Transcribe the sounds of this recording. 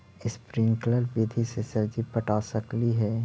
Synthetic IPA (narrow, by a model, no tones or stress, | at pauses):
ɪspɾɪ̃ŋkləɾbid̪ʱisesɐɾd͡ʒipɐʈaːsɐkliɦɛː